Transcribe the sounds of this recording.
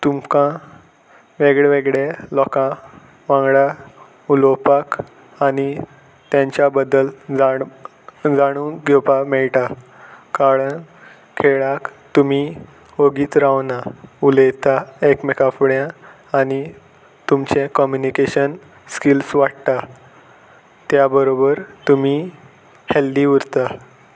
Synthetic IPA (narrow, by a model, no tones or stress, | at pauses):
t̪umkã | ʋeɡɭɛʋeɡɭelɔkã | ʋãŋɡɽa | ulɔpak | ani | t̪jãɲt͡ɕjabəd̪əld͡za | d͡zaɽ̃unɡopamɛɭʈ̪a | kaɾəɳ | kʰeɭakt̪umi | oɡiːt̪ɾawnauləjt̪aekmekafɽjãː | ñi | t̪umt͡ɕẽkɔmjunikeɕən | skilsʋaɽt̪a | t̪jabəɾobəɾt̪umi | held̪iːuɾt̪a